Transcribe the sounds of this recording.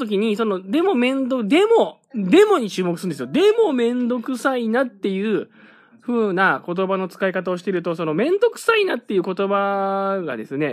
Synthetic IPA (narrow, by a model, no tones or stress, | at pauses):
t̪o̞k̬ʲiɲ̟iso̞no̞d̪e̞mo̞mẽ̞nd̪od̪e̞mo̞ | d̪e̞mo̞ɲ̟it͡ɕɨːmokɯsɨɯnd̪esjod̪e̞mo̞mẽ̞nd̪o̞kɯ̟sainat̪ːe̞jɯː | ɸɯ̟ːnako̞t̪̬o̞bano̞t͡sɨ̥kaikat̪aoɕi̥t̪e̞ɾɯ̟t̪o̞so̞no̞mẽ̞nd̪o̞kɯ̟̥sainat̪ːe̞jɯ̟ːko̞t̪o̞baɡa̰d̪e̞sɨne̞